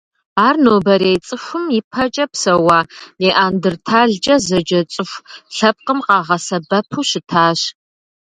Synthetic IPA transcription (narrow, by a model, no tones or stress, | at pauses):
aːrnoːbɐɾejt͡sʼɨxʷʊmipʰɐt͡ʃʼɐpsɐwaːneːʔaːndɨrtʰaːɮd͡ʒɐzɐd͡ʒɐt͡sʼɨxʷɬɐp̚qəmqɑːʁɐsɐbɐpʰuːɕɪtʰaːɕ